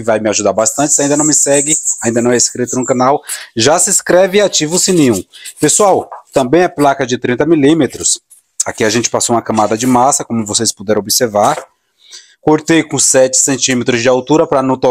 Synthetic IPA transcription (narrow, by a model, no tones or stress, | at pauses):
vajmɪaʒud̪aɾbast̪ɐ̃nt͡ʃɪsaĩd̪ɐnɐ̃w̃mɪsɛɡɪaĩd̪ɐnɐ̃w̃ɛiskɾit̪ʊnũkɐ̃nawʒasɪskɾɛvɪat͡ʃivʊsẽnẽũpesuawt̪ɐ̃mbẽj̃ɛplakɐd͡ʒɪt̪ɾĩnt̪ɐmilĩmet̪ɾʊs | a̰kiaʒẽnt͡ʃɪ̥pasoũmɐkɐ̃mad̪ɐd͡ʒɪmasɐkõmʊvosejspud̪ɛɾɐ̃obɪseɾvaɾ | koɾt̪ejkõsɛt͡ʃɪ̥sẽnt͡ʃĩmet̪ɾʊzd͡ʒɪawt̪uɾɐpɾɐnũt̪o